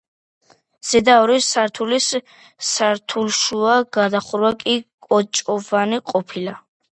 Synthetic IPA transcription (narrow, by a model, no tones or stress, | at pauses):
z̥ɛd̪aɔɾisːaɾt̪ʰulisː | aɾt̪ʰulʃuaɡad̪aχuɾwakʼikʼɔt͡ʃʼɔvaniqʼɔpʰila